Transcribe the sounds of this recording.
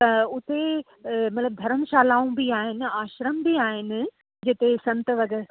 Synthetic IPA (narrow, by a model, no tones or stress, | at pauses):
t̪ɐʊt̪e | mɐt̪ləb̚d̪ʱɐɾənɪ̆ʃaːlaːũbiaːɦɪnɪ̆aːʃɾəmbiaːɦɪnɪ̆ | d͡ʑɪt̪esɐ̃nt̪ʋɐɡəɾ